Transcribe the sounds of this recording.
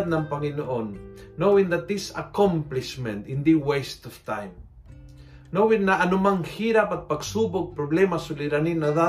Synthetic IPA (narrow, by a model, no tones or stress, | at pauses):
t̪̚nampaŋinoʔonːowind̪at̪isa̰kɔmpliʃmɛ̃nt̪ind̪iwest̪ɔft̪ajm | nowinːaanumaŋxiɾapat̪̚paksupok̚pɾoβlemasuliɾaninaða